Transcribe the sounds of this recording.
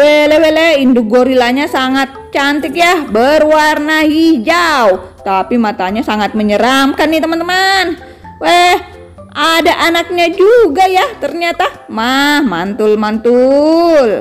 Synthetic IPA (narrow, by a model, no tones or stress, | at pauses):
wɛleweleinduɡoɾilaɲasaŋat̪̚t͡ʃant̪ɪkjahbərwarnaɦid͡ʒaut̪apimat̪aɲasaŋat̪̚məɲəɾamkanːit̪əmənt̪əman | wɛh | ʔadaʔanak̚ɲad͡ʒuɡajaht̪ərɲat̪amahmant̪ʊlmant̪ul